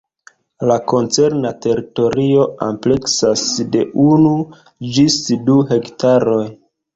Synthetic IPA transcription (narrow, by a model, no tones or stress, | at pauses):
lako̞nt͡se̞ɾnate̞ɾito̞ɾio̞a̰mple̞ksasde̞ʔunu | d͡ʒisduɦe̞ktaɾo̞j